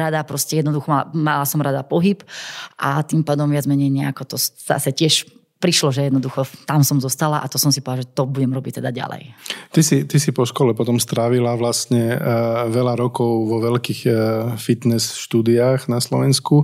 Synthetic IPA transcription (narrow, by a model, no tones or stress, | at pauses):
ɾad̪apɾɔscɛjɛd̪nɔd̪uxɔmala̰malasɔmɾad̪apɔɦipʔat̪impaːd̪ɔmʋɪad͡zmɛɲɛjɲɛakɔt̪ɔz̥a̰sɛcɪɛʃ | pɾiʃlɔʒɛjɛd̪nɔd̪uxɔt̪amsɔmzɔst̪alaʔat̪ɔsɔmsipɔdalaʒɛt̪ɔbuɟɛmɾɔbic̚t̪ɛd̪aɟa̰lɛ̰jt̪isit̪isipɔʃkɔlɛpɔt̪ɔmst̪ɾaːʋilaʋlast̪ɲɛʋɛʎaɾɔkɔʊʋɔʋɛlkiːxfit̪nɛsʃt̪uːd̪iaːxnaslɔʋɛnsku